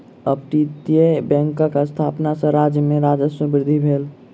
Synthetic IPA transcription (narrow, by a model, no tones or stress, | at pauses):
əpʈit̪iebɛ̃ːŋkakast̪ʰaːpnasə̃ɾad͡ʒjəmẽɾaːd͡ʒəsəbɪɾɪd̪ʱibʱeːl